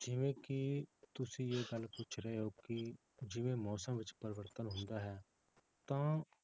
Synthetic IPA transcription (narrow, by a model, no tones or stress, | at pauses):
d͡ʒɪʋẽːkɪt̪ʊsĩːeːɡəlkʊt͡ʃʰɾɛɦeoːkɪ | d͡ʒɪʋẽːmɔːsəmʋɪt͡ʃpəɾɪʋəɾt̪ənɦʊ̃nd̪aːɦɛː | t̪ãː